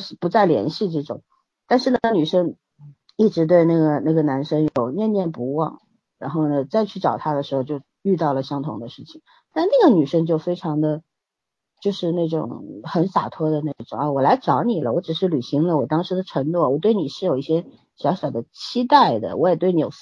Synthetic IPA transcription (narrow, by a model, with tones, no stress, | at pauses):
ʂ̩˥˩pu˧˥t͡sa˥˩ɪljɛ̰˧˥nɕi˥˧ʈ͡ʂɤ˥˩ʈ͡ʂʊ̰˨˩˦ŋ | t̪a˥˧nʂɻ̩˥˩nəny˨˩ʂə˥ŋ | i˥˩ʈ͡ʂɻ̩˧˥t̪we˥˧ɪna˥˩ɡə˩na˥˩ɡə˩na˧˥nʂɤ˥ŋjo˨˩ʊnjɛ˥˧njɛ˥˩npu˧˥wɑ̰˥˩˦ŋ | ɻa̰˧˥nxo˥˩ʊnə˩t͡sa˥˧ɪt͡ɕʰy˥˩ʈ͡ʂɑ˨˩ʊt̪ʰa˥d̪ə˨ʂɻ̩˧˥xo˧t͡ɕjo˥˧ʊ | y˥˧t̪ɑ˥˩ʊlə˩ɕjɑ˥ŋt̪ʰʊ˧˥ŋd̪ə˧ʂɻ̩˥˩t͡ɕʰi̥˨˩ŋ | t̪a˥nʂna˥˩ɡə˩ny˨˩ʂə˥ŋt͡ɕjo˥˩ʊfe˥ɪʈ͡ʂʰɑ˧˥ŋd̪ə˧ | t͡ɕjo˥˧ʊʂɻ̩˥˧na˥˩ʈ͡ʂʊ̰˨˩ŋxə˧˥nfa̰˨˩t̪ʰwɔ˥d̪ə˨na˥˩ɡə˩ʈ͡ʂʊ˨˩ŋa˥˧wɔ˨˩la˧˥ɪʈ͡ʂɑ˧˥ʊni˨˩lə̰˦wɔ˧˥ʈ͡ʂɻ̩˨˩ʂɻ̩˥˩ly˨˩ɕi˧˥ŋlə˧wɔ˨˩t̪ɑ˥ŋʂɻ̩˧˥d̪ə˧ʈ͡ʂʰɤ˧˥ŋnwɔ˥˩wɔ˨˩t̪we˥˩ɪni˨˩ʂɻ̩˥˩jo˨˩ʊi˥˩ɕjɛ˥ | ɕjɑ˧˥ʊɕjɑ˨˩ʊd̪ə˦t͡ɕʰi˥t̪a˥˩ɪd̪ə̰˩wʔɔ˧˥jɛ˨˩t̪we˥˩ɪni˧˥jo̰˨˩ʊ